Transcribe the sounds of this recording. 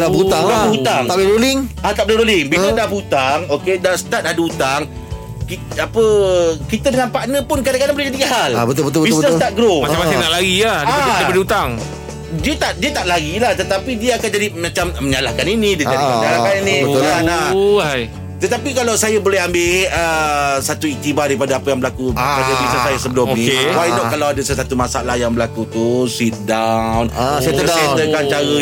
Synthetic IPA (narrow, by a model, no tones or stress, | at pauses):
daut̪aŋdaəut̪aŋaʔleɾolɪŋat̪aʔb̚leɾolɪŋbilədabut̪aŋokedasə̥t̪at̪̚aduut̪aŋ | kiapəkit̪ədəŋanpaʔnə̃pʊnkadakadãŋbolɛhd͡ʒadiɦalabət̪ʊlbət̪̬ʊlbbisnəst̪at̪̚ɡɾomat͡ʃamasenaʔlaɡiadabədiut̪aŋ | diət̪aʔdiət̪aʔlaɡilaht̪ət̪apidiəakand͡ʒadimãt͡ʃamməɲalahkaninidiəd͡ʒaiməɲalakaninibəana | t̪ət̪apikalawsajabolɛɦambɪəsat̪uik̚t̪ibadaɾipadaapajaŋbəlakuapadabisnəsajasəbəlʊmonikewajnɔʔkalawadasəsat̪umasa̰ʔlahjaŋbəlakut̪usit̪̚dawnseəeəkant͡ʃaɾə